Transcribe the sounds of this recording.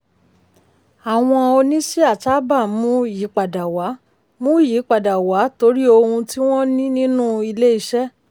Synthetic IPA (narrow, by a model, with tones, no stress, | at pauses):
a˨w̃ɔ̃˧o˧nĩ˦si˦a˦˨ta˨˦ba˦˨mũ˨˦ji˨˦k͡pa˨da˨wa˨˦ | mũ˦ji˨˦k͡pa˨da˨wa˨˦to˧˦ɾi˦o˧hũ˧ti˦w̃ɔ̃˦nĩ˦nĩ˦nũ˦i˧le˦i˦ʃɛ˦